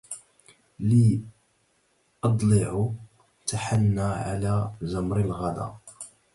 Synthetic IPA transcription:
li | ʔɑd̪ˤlɪʕʊ | t̪aħanːaʕalæzamɾɪlɣæd̪æ̰

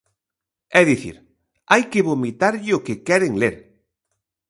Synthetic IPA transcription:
ɛðiθḭɾ | ajkeβomit̪aɾʎɪokekɛɾeŋleɾ

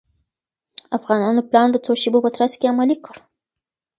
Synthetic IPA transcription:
afɣɑnɑnoplɑnd̪ət͡soʃebopət̪ɾaskeamalikəɽ

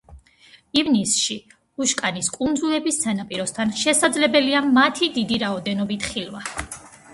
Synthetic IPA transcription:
ivnisʃi | uʃkʼaniskʼund̪zulɛbisːanapʼiɾɔst̪ʰanʃɛsad̪zlɛbɛliamat̪ʰid̪id̪iɾaɔd̪ɛnɔbit̪ʰχilva

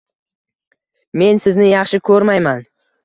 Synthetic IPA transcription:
me̞nsɪznɪjɑχʃɪkʲʰɵɾmajman

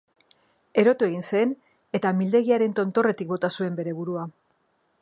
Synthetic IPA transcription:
e̞ɾo̞t̪ue̞ɣ̞inse̞n | e̞t̪amild̪e̞ɣiaɾe̞nt̪o̞nt̪o̞re̞t̪ik̚bo̞t̪asue̞mbe̞ɾe̞β̞uɾua

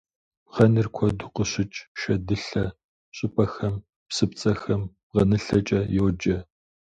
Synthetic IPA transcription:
ʁɐnɨrkʷʰɔdʊqəɕɪt͡ʃʼʃɐdɨɬɐ | ɕʼɪpʼɐxɐm | psɨp̚t͡sʼɐxɐm | ʁɐnɨɬɐt͡ʃʼɐjoːd͡ʒɐ

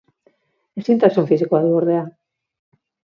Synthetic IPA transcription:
esint̪asoɱfis̬ikoaðuoɾðea

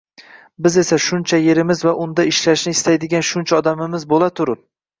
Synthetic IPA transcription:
bɪze̞saʃʊnt͡ʃʰaje̞ɾɪmɪzvaʔʊnd̪aɪʃlaʃnɪɪst̪ʰajd̪ɪɡʲanʃʊnt͡ʃʰaɒd̪amɪmɪzbolˠat̪ʰʊɾɪp̚

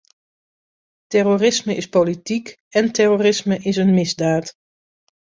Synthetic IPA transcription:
tɛrorɪsməʔɪspolitik | ɛntɛroːrɪsməʔɪsənmɪzdaːt

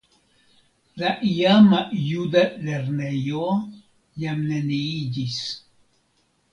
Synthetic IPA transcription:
laʔiamajud̪aleɾne̞jo | jamneniid͡ʒis

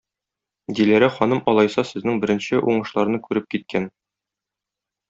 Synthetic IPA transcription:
d̪ilæɾɘχɒnɤmʔɒlˠɑjsɑsɘ̆znɘŋbɘ̆ɾɘ̆nɕɘʔuɴɤ̆ʃlˠɑɾnɤkʉɾɘp̚kit̪̚kʰæn

